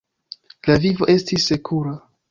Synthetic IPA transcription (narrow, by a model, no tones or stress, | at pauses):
lavivo̞ʔe̞stisːe̞kʰuɾa